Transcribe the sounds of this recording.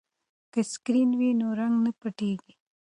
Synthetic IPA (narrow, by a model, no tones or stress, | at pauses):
kəskɾiːnwiːnoɾɐŋɡnəpəʈiːɡi